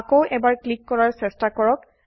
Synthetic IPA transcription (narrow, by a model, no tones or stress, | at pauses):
kowʔɛbaɹklikːɔɹaɹsɛstakɔɹɔk